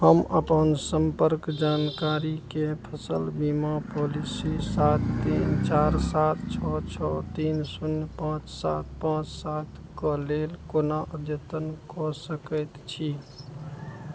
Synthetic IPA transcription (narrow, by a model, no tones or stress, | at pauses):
ɦəmʔə̰pənsəmpəɾkd͡ʒankaɾikepʰəsəlbimapolisisat̪ːint͡ʃaɾsat̪ʰt͡ʃʰɔt͡ʃʰɔt̪insunpãt͡ʃsat̪̚ʰpãt͡ʃsat̪ʰkɔlelkonaʔəd̪jət̪ənkɔsəkət̪t͡ʃʰi